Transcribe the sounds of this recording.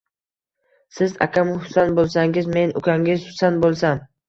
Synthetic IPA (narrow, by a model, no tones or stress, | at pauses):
sɪza̰kʰʲamhʊ̥sanbolˠsaŋɪzme̞nʊ̰kʲʰaŋɪzhʊ̥sanbolˠsan